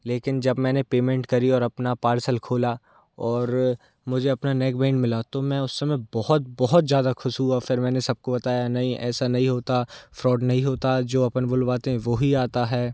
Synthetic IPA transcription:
leːkɪnd͡ʒɐbmɛ̃ːnepeːmẽːɳʈkɐɾiɔːɾɐpnapaːɾsəlkʰoːla | ɔːɾ | mʊd͡ʒʱeɐpnanɛːkbẽːɳmɪlat̪omɛ̃ʊsːɐmẽbɔɦʊt̪̚bɔɦʊt̪zjaːd̪axʊʃɦuafɪɾmɛ̃ːnesɐb̚kobɐt̪aːjanɐɦĩʔɛ̰ːsanɐɦĩɦoːt̪afɾɔːɖnɐɦĩɦoːt̪ad͡ʒoːɐpənbʊlbaːt̪ẽʋoɦiaːt̪aɦɛː

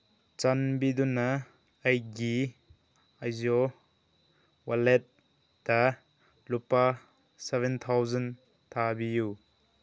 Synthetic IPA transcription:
t͡ʃanbidunɐː | jɡi | ajzɔ | walet̚ | dɐ | lupa | sevent̪ʰawzan | t̪ʰabiju

